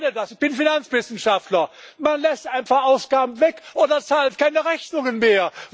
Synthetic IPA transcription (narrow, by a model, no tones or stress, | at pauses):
nədasɪçb̥ɪnfinant͡sv̥ɪsn̩ʃaftlɐmanlɛstʔaɪnfaχʔaʊsɡ̥aːbm̩vɛkʔoːdɐt͡saːlt̚kʰaɪnəʁɛçnʊŋənmeːɐ